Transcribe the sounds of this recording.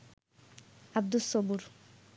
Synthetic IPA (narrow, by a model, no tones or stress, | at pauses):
ab̚d̪usɔbuɾ